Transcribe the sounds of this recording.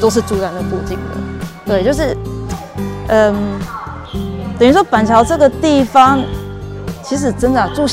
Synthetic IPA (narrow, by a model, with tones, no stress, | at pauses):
t̪o˥ʊʂ̬ɻ̩˥˩ʈ͡ʂu˥ɻa˧˥nd̪ə˨ku˥˧t͡ɕi˥˩ŋd̪ə̰˩t̪we˥˩ɪt͡ɕjo˥˧ʊʂɻ̩˥˩ | ʔə˧n | t̪ə˨ny˧˥ʂwɔ˥pa˨˩nt͡ɕʰjɑ˧˥ʊʈ͡ʂɤ˥˩ɡə˨t̪i˥˩fɑ˦ŋ | t͡ɕʰi˧˥ʂ̬ɻ̩˨˩ʈ͡ʂə˥nd̪ə˨˩a˨˩ʈ͡ʂu˥˧